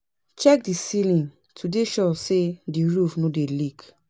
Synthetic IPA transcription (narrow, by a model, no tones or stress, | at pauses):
t͡ʃɛk̚disilĩn | tʰudeʃɔsediɹufnodelik